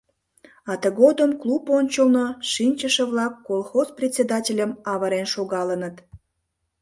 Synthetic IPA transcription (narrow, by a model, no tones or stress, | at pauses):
ɑt̪əɣod̪əmklˠuponʲt͡ɕəlˠnoʃinʲt͡ɕəʃə̆βlɑkːolˠxosprʲet̪ʲsʲed̪ɑtʲelʲəmɑβəɾenʃoɣɑlənət̪